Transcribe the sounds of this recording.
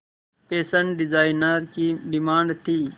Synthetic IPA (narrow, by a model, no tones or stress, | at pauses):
peːsɐɳɖizaːinəɾkiɖimaːɳɖt̪ʰiː